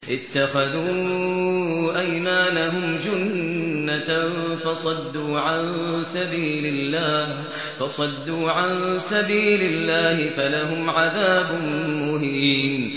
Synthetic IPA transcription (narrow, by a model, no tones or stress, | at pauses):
ʔɪt̪ːaxaðuː | ʔajmaːnaɦʊmd͡ʒʊnːafɑsˤɑd̪ːuːʕansabiːlɪlːaːh | fɑsˤɑd̪ːuːʕansabiːlɪlːaːhɪfalaɦʊmʕaðaːbʊmʊɦiːn